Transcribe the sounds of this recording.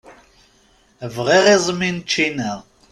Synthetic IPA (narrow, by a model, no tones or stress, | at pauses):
vʁɛʁezˤmint͡ʃʰinɛʁ